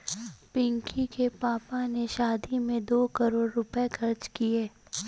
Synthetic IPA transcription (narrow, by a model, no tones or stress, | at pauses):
pɪ̃ŋkʰikepaːpaneʃaːd̪imẽd̪oːkɐɾoːɽːʊpekʰɐɾd͡ʒkieː